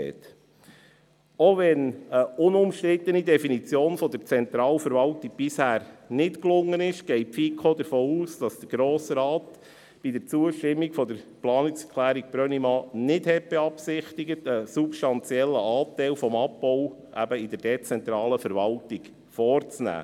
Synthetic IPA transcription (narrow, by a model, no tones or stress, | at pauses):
ɛ̰t | oʋɛnəʊnʊmʃtɾɪt̪ənid̪ɛfinit͡sjoːnfɔd̥̪əɾt͡sɛnt̪ɾɑːləfəɾʋɑltiɡ̥̚b̥ɪshæːɾnɪtklʊŋːənɪʃɡ̥ɛɪpfikʰod̪əɾfoːuːsd̥ɑsd̪̥əɾɡ̥ɾoːsɾɑːt | b̥idəɾt͡suəʃtɪmːikfɔd̪əɾplɑːnɪksəkʰlæːɾik̚b̥ɾœnimɑnɪdhɛt̚b̥eɑpsɪχt̪iɡət̪əsupʃtɑnt͡sjɛlːəʔɑːtæɪlfɔmɑpbɔʊ | ʔæ̰bəid̪əɾd̥ɛt͡sɛnt̪ɾɑːləfəɾʋɑltiɡ | fɔːrt͡snæ̰ː